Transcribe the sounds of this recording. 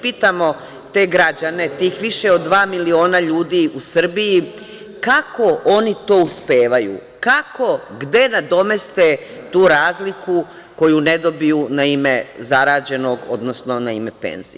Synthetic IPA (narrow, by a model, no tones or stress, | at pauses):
piːt̪amo̞ | t̪e̞ːɡɾad͡ʑane̞t̪iːxʋiʃe̞od̪ːʋaːmilio̞ːnaʎuːd̪iʔusr̩biji | kako̞ʔo̞nit̪o̞ːuspeːʋajṵ | kako̞ɡd̪e̞nad̪o̞me̞st̪e | t̪uːɾaːzliku | ko̞june̞d̪o̞bijunaimezaɾaːd͡ʑe̞no̞ɡo̞̰d̪nosno̞naimepḛnz̥ḭ